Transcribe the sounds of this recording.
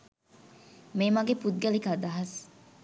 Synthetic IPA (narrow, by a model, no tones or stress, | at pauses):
meːmaɡepud̪̚ɡɐlikad̪aɦɐs